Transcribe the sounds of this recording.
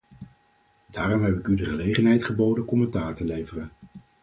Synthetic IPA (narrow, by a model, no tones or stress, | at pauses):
daːrɔmɦɛpɪkydəχəlejχənɦɛjtχəbowdənkɔmɛntaːɹtəlejvərən